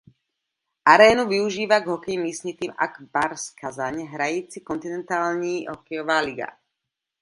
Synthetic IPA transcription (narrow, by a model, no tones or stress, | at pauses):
ʔaɾɛːnuʋiuʒiːʋaɡɦɔkɛjimiːsɲit̪iːma̰ɡbaɾskazaɲɦɾajiːt͡sikɔnt̪inɛnt̪aːlɲiːɦɔkɛjɔʋaːliɡa̰